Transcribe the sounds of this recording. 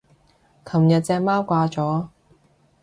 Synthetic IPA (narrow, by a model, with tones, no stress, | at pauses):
kʰɐ˨˩mjɐ˨t̚t͡sɛː˧k̚maː˥wkʷaː˧t͡sɔː˨˥